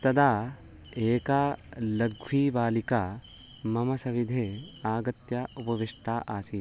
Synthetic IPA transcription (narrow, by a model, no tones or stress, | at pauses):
t̪ɐd̪ʱaː | eːkaːlɐɡʱʋiːʋaːlikaː | mɐmɐsɐʋid̪ʱeːaːɡɐt̪jɐupɐʋiʂʈʰaːʔaːsiː